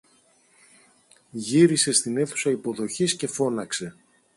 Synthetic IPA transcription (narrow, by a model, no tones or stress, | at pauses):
ʝiɾise̞st̪ine̞θu̥sɐipo̞ðo̞çisce̞fo̞nɐkse̞